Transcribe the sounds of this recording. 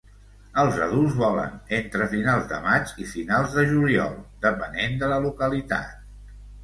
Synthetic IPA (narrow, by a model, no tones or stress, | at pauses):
əlˠzə̰ðulˠzβɔlə̰nent̪ɾəfinalˠzd̪ə̰mat͡ʃifinalˠzðəʒuliɔ̰lˠd̪əpənend̪ələlukəlit̪a̰t̪̚